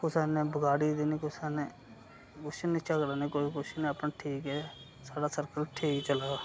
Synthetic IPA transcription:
kʊsaːnẽːbəɡaːɽiːd̪iniːkʊsaːneː | kʊsniːt͡ʃəkɾaːneːkoːikʊʃnẽːapnaʈʰiːkɛː | saːɖaːsəɾkəlʈʰeːit͡ʃəlaː

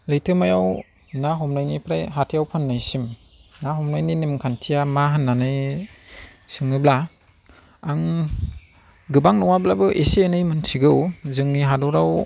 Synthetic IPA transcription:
lɯjtʰɯmajaw | naɦɔmnajnipʰɾajɦatʰijawpʰanːajsim | naɦɔmnajninemkʰantʰijamaɦanːanɯj | sɯŋɯbla | aŋ | ɡɯbaŋnɔwablabɯʔeseenɯjmɯnsʰiɡɯwzɯŋniɦadɔɾaw

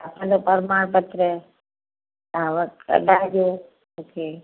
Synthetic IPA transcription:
əpəloːpəɾmaːɳpət̪ɾə | ãːʋəə̰ɖaːd͡ʒoː | oːkʰeː

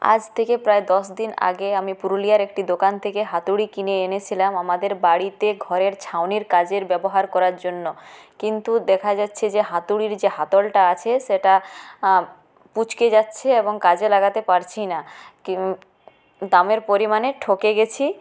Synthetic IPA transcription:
a̰d͡ʑt̪ʰekepɾaed̪ɔʃd̪ina̰ɡeamipuɾulijaɾek̚ʈid̪okant̪ʰekeɦat̪uɽikineenet͡ɕʰilamamad̪eɾbaɽit̪eɡʱɔɾeɾt͡ɕʰawniɾkad͡ʑeɾbɛboɦaɾkɔɾaɾd͡ʑonːokint̪ud̪ɛkʰad͡ʑatːɕʰed͡ʑeɦat̪uɽiɾd͡ʑeɦat̪olʈaat͡ɕʰeʃeʈa | put͡ɕked͡ʑatːɕʰeeboŋkad͡ʑelaɡat̪epaɾt͡ɕʰinak | d̪ameɾpoɾimaneʈʰokeɡet͡ɕʰi

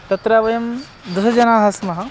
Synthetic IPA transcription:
t̪ɐt̪ɾaːʋɐjɐm | d̪usɐd͡ʒɐnaːɦɐsmɐɦɐ

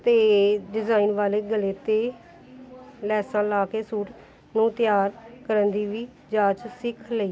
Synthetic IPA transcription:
t̪eːɖɪzaːiːnʋaːleːɡəleːt̪eː | lɛːsãːlaːkeːsuːʈ | nũːt̪jaːɾkəɾənd̪iːʋiː | d͡ʒaːt͡ʃsɪkʰləiː

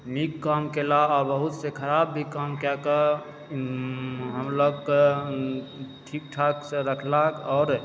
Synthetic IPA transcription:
nikːəmkelaɔːɾbəɦut̪sekʰəɾabːʱikəmkakə | ɦəmləɡk | ʈʰik̚ʈʰaksẽɾəkʰlakɔʊɾ

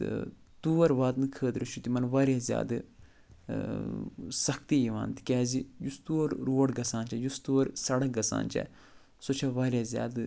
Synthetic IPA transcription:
ɨ̰ | t̪uːʋɐɾʋaːd̪nɨkʰəːd̪ɾɨʃut̪imɐnʋaːɾʲjazja̰ːd̪ɨ | sɐkʰt̪ijiʋa̰ːnt̪i̥kʲɛːzijust̪uːɐɾɾoːɐɽɡɐsaːnt͡ʃɐjust̪uːʋɐɾsɐɽɐk̚ɡɐsa̰ːnt͡ʃɛ̰ | soːt͡ʃʰaʋaːɾʲjazja̰ːd̪

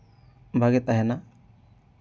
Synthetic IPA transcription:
bʱaɡɛt̪aɦɛna

